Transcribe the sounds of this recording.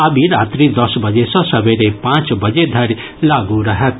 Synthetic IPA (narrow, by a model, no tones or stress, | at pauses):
abiɾat̪ɾid̪ʌsbʌd͡ʒesʌ̃sʌbeɾepãt͡ʃbʌd͡ʒed̪ʱʌɾi | laɡuɾʌɦet̪